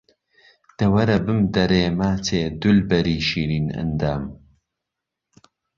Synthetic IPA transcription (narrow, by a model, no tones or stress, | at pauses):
d̪̥ɐwɐɾɐbɨmd̪ɐɾeːmaːt͡sʰeːd̪ulbɐɾiːʃiːɾiːnɐ̰nd̪aːm